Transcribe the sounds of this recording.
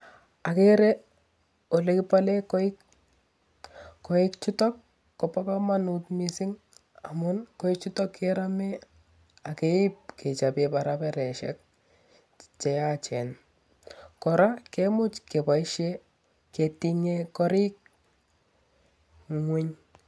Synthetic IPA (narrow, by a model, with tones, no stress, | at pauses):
a˨keɾe˦ | o˨le˨kɪ˦pale˦kɔɪk | kɔ˨i˦kt͡ʃi˦tɔ˦kː | ɔ˨pa˦pa˦ma˦nutmisi˦ŋ | a˨mʊnkɔ˦ik̚t͡ʃi˦tɔ˦kːeɾa˦me˦ | a˨ke˦ɪ˦p̚kʰe˨t͡ʃapepaɾapɛɾɛ˨ʃɛ̰˦k̚ | t͡ʃɛat͡ʃɛ˨n | kɔɾakemʊ˦t͡ʃke˨paiʃe | ke˨ti˦ŋekɔ˦ɾi˦k̚ | ŋwi˦ɲ